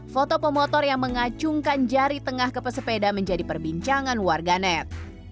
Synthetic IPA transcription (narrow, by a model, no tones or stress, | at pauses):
fot̪ɔpɔmɔt̪ɔrjaŋməŋat͡ʃuŋkand͡ʒaɾit̪əŋahkəpəsəpedaməɲd͡ʒadipərbiɲt͡ʃaŋanwarɡanɛt̪̚